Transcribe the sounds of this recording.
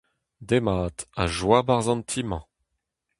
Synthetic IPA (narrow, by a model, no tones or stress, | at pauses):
d̪emaːt̪aʒwabaʁzɑ̃nt̪ʰimɑ̃